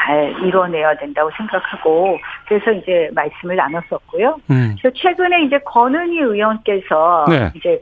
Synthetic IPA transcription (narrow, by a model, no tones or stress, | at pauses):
t͡ɕaɾiɾʌne̞jadwe̞ndaɡosʰe̞ŋɡakʰaɡokkɯɾe̞sʰʌind͡ʑe̞maɭs͈ɯmɯɭnanʌs͈ʌt̚k͈ojoɾeʌt͡ɕʰwe̞ɡɯne̞ind͡ʑe̞kʌnɯɲiɯjʌnk͈e̞sʰʌnḛind͡ʑe̞